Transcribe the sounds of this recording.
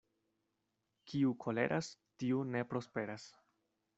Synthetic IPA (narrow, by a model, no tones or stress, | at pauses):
kiukʰo̞le̞̰ɾʔastiune̞pɾo̞spe̞ɾas